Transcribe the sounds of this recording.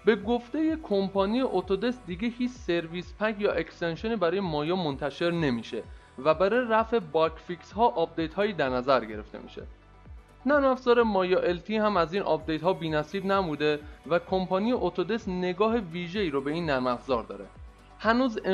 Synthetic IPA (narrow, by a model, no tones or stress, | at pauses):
be̞ɡoft̪e̞je̞kʰompʰɒnijeʔot̪ʰod̪e̞sd̪iːɡehiːt͡ʃse̞ɾviːspʰækʰjɒːʔekst̪enʃo̞niːbæɾɒːjemɒːjɒːmo̞nt̪ʰæʃe̞ɾne̞miːʃe̞ | væbæɾɔjeɾæfe̞bɒkʰfikshɒːʔɒːp̚d̪e̞jt̪hɒːjiːd̪æɾnæzæɾɟe̞ɾe̞ft̪e̞̰mḭʃe̞̰ | næɾmæfz̥ɒːɾe̞mɒːjɒʔelt̪ʰiːhæmæziːnʔɒ̰ːp̚d̪e̞jt̪hɒːbiːnæsiːbnæmuːd̪e̞vækʰo̞mpʰɒnijeʔot̪ʰod̪e̞sne̞ɡɒːɦeviːʒeiːɾobe̞iːnːæɾmæfzɒːɾd̪ɒ̰ːɾe̞̰ | hænuːz